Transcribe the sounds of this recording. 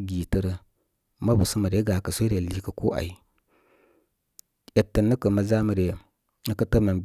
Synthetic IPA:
ɡi˨tə˨ɾə˦ | ma˦bu˨sə˦mə˨ɾe˨˦ɡa˨kə˨sʷo˦ɾe˨li˦kə˨ko˦ʔa̰˨i˨ | e˨tːə˨nːə˦kə˨ma˨˦za˦mə˨ɾe˨ | nə˦kə˦tə˦ma˨mb

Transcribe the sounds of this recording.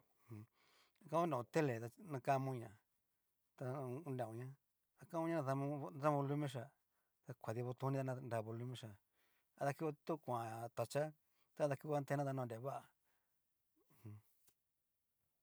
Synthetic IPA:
h | a˧ka˧˦õ˦dã˨ũ˧t̪e˦le˨t̪a˧nã˧ka˦˧mũ˧ɲã˨ | t̪a˧ũ˧ndã˨ũ˧ɲã˦ | a˧kã˦mũ˦ɲã˦˧ða˧mũ˧ða˦βo˧lu˦mẽ˦ʃ̬a˧ | t̪a˧kʷa˨ði˧βo˧t̪u˧nĩ˦t̪a˧nã˧nda˧˨βo˧lu˧mẽ˧ʃa˧ | a˧ða˧ki˦˧t̪u˦˧kʷã˨t̪a˧t͡ʃa˦ | t̪a˦ða˧ki˦˧a˧nt̪e˧˦nã˦t̪a˧nã˧de˨˦βa˦ʔa˨ | hũ˧

